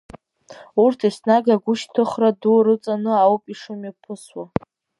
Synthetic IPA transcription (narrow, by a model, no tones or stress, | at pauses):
urtʰisnaɡaɡʷʊʃtʰɨχraduɾɨt͡sʼanɨawpʼiʂɨmipʰɨswa